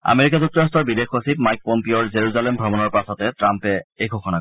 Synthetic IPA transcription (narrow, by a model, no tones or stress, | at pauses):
a̰meɹikazuk̚tːɔɹastɔɹbidexosip̚majk̚pompiɔɹzeɹuzalembʱɹɔbɔnɔɹpasɔtɛtɹampɛejɡʰoxʰɔnak